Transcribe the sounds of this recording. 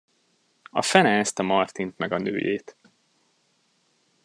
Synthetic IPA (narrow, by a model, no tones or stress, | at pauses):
ɒ̰fɛnɛɛst̪ɒmɒrt̪int̪mɛɡɒnø̰ːjḛːt̪